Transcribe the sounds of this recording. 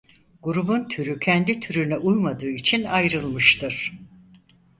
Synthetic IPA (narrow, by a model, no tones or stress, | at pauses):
ɡuɾubunt̪ʰyɾycʰɛnd̪it̪ʰyɾynɛʔujmad̪ɯːit͡ʃʰinajɾɯlˠmɯʃt̪ʰɯɾ̥